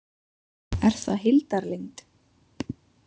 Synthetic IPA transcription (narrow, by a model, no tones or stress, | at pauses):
ɛɾ̥θaɦɪlt̪aɾlejŋt̪